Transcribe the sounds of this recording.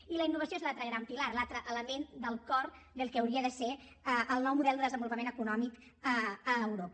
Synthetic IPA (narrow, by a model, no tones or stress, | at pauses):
iləinːuβ̞əsioezlalt̪ɾəɣɾampilaɾlat̪ɾəʔələmend̪əlˠkɔɾd̪əlˠkeəwɾiəðəse | əʔəlˠnɔwmuðɛlˠd̪əðəzəmbulupəmẽnəkunɔmik | əəːwɾopə